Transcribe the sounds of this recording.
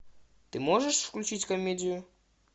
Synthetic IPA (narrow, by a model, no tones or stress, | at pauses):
t̪ɨmoʐəʂfklʲʉt͡ɕitʲkomʲedʲɪjʊ